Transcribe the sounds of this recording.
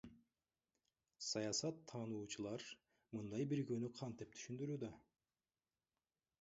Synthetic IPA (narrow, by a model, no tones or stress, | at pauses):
sɑjɑsɑt̪ʰːɑːnuːt͡ʃʰɯlˠɑɾ | mɯnd̪ɑjbiɾɡønyqʰɑnt̪̚d̪ep̚t̪ʰy̥ʃynd̪yɾyːd̪ɑ